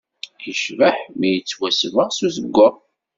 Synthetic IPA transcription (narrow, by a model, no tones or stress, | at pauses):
jəʃvaħmijət͡sːwæsvəʁsuzəɡʷːə